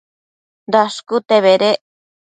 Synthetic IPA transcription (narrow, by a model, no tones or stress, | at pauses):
d̪aʃkut̪eβeɾe